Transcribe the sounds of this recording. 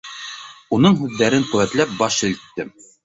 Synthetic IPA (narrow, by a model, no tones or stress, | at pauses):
unɤɴɦʉðːæɾɘŋqɵ̆wæt̪læp̚bɑʃĭlt̪ːɘm